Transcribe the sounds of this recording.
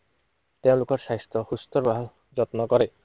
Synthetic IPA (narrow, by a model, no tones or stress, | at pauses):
t̪eʊ̃lokɔɾʃajst̪ʰɔxust̪ɔɾbaɦa | d͡ʑɔt̪nɔkɔɾe